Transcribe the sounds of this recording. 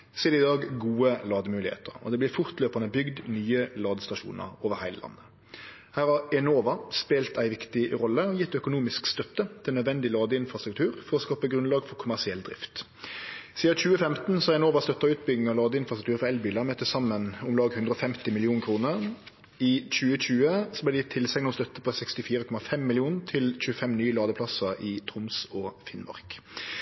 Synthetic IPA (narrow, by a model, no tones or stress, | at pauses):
seːlɪd̪ɑːɡɡuːəlɑːd̪əmʉːlɪhḛːt̪ə̰ʁɔ̰d̪ɛblɪɾfʊʁt̪løːpɑnəbʏɡd̪nyːəlɑːd̪əst̪ɑʃṵːnə̰ʁoːʋəʁhæɪlə̰lɑ̰nːə | hæːʁhɑɾɛnoːʋɑspeːlt̪æɪʋɪkt̪ɪʁɔlːəɔjɪt̪ːœkʊnuːmɪskst̪œt̪ːət̪ʰɪlœd̪ʋɛnd̪ɪlɑːd̪əɪnfʁɑst̪ɾʁʉk̚t̪ʰʉːʁfɔʁɔskɑːpəɡɾʉnlɑːɡfɔʁkʰʊmæʁsɪɛld̪ɾɪ̰ft̪ | siːɑc͡çʉːəfɛmt̪n̩sɔæɾɪnɔːʋɑst̪œt̪ːɑʉːt̪̚bʏɡnɪŋɑʋlɑːd̪əɪnfɾɑsɾʉkt̪ʉːɾfɔɛlbiːlɑmɛt̪ʰːəsɑmːənʊmlɑːɡhʉnd̪ʁəɔfɛmt̪ɪmɪlɪuːnkʰɾuːnəʁ | ɪc͡çʉːəc͡çʉːəsɔblæd̪ɛjɪt̪ʰːɪlsɛŋnɔst̪œt̪ːəpʰɔsɛkst̪ɪfiːɾəkʰɔmɑfɛmːɪlɪuːnt̪ʰɪlc͡çʉːəfɛmnyːəlɑːd̪əpʰlɑsəɪt̪ʰʁʊmsɔfɪnmɑ̰ʁk